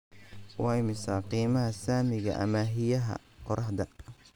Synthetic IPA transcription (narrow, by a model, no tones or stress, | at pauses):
wɑːjmɪsɐqiːmɐɦɐsaːmɪɣɐ̰ʔɐ̰mɐɦɪjɐɦɐ̰ | qɔɾʔɐhd̪ɐ